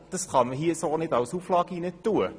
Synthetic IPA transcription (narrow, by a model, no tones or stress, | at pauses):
d̥əsχɑnməɦiːəsɑːnɛtɐwshuflɑkiːnɛtːuə